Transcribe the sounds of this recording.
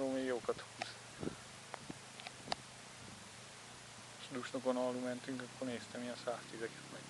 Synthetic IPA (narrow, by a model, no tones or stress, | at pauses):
ɾoːmeːjoːkɑt̪huːz | ʃd̪uʃnokonɒlːumɛnt̪yŋkɒkːorneːst̪ɛmijɛnsaːst̪izɛkɛ̥t̪mɛɡ